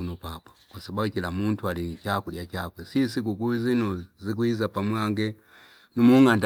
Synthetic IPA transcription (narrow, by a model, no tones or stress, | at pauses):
unɔpapɔ̥kwasababukilamuntʰualit͡ʃakuliat͡ʃakwɛsis̬ik̬ukuizinɔzikwizapamwaŋɡɛ | numuŋand